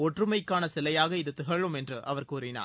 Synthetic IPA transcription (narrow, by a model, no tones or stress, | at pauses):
ɔʈrɯmɐɪkːaːnɐsɪlɐjaːɣɐɪðɯt̪ɪɣɐɻɯmɛndrɯʔɐʋɐɾkuːɾɪna̰ː